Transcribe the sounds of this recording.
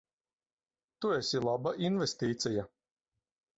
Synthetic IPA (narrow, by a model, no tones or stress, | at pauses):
t̪uɛsʲilˠabaʔinvɛst̪iːt̪sʲɛja